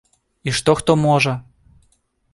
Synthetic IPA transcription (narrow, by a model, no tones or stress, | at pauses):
iʃt̪oxt̪omoʒɤ